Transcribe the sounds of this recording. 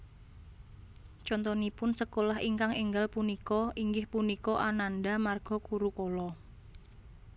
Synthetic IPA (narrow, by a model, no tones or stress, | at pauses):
t͡ʃɔnt̪ɔnipʊnsəkolaɦiŋkaŋiŋɡalpunikɔʔiŋɡɪhpunikɔʔanandamarɡ̥ɔ̤kuɾukolɔ